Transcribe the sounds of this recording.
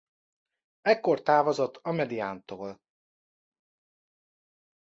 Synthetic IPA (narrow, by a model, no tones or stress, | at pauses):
ɛkːo̞rt̪aːvozot̪ːɒmɛd̪ijaːnt̪oːl